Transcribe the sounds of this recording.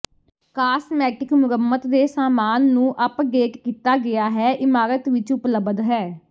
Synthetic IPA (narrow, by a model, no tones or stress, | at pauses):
kaːsmɛːʈɪkmʊɾəmːət̪d̪eːsaːmaːnːũːʔəpɡeːkːiːt̪aːɡɪaːɦɛːʔɪmaːɾət̪ʋɪt͡ʃʊpləbd̪ɦɛː